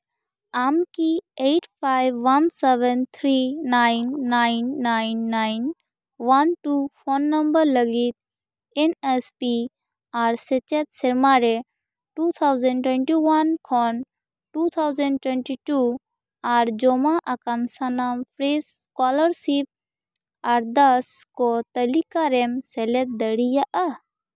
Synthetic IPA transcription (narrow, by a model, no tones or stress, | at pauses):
amkieʈʰpʰajʋːanseʋənt̪ʰɾinaɪnːaɪnːaɪnːaɪn | ʋanʈupʰonːəmbəɾləɡit̪̚ | enɛspi | aːɾset͡ʃɛt̪̚seɾmaɾe | ʈut̪ʰawzəɳʈwɛ̃ɳʈiwankʰɔn | ʈut̪ʰawzə̃ɳɖʈwɛɳʈiʈu | aɾd͡ʒɔmaʔakansanampʰɾes | kɔləɾsip̚ | aɾd̪əskɔt̪əlikaɾɛmsɛlɛt̪̚d̪əɽijaʔa